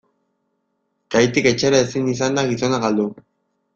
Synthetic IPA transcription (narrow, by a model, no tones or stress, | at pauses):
kajt̪ike̞t͡ʃeɾaesinis̬and̪aɣiso̞naɣald̪u